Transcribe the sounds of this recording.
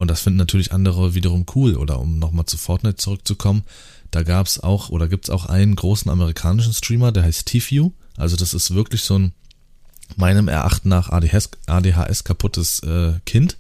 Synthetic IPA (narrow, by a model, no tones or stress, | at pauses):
ʔʊntd̥asfɪndn̩nːatʰyːɐlɪçʔandəʁ̞əviːdɐʁ̞ʊmkʰuːlʔo̰ːdɐ̰ʔʊ̰mnɔχmaːlt͡sufɔɐtnɛt͡suʁʏk̚t͡sukʰɔmən | d̥aːɡaːpsa̰ʊxʔoːdɐɡiːp̚tsa̰ʊxʔa̰ɪnənɡʁoːsn̩ʔa̰məʁ̞ikʰaːnɪʃ̬n̩stʁ̥iːmɐdeːɐɦaɪstʰːiːfjuːʔa̰lzodasɪstv̥ɪɐklɪçz̥oːn | maɪnəmɛ̰ɐʔa̰χtnaːχʔa̰ɛsʔaːdeːɦa̰ːʔɛ̰skʰapʰʊtʰəsʔɛːkʰɪnt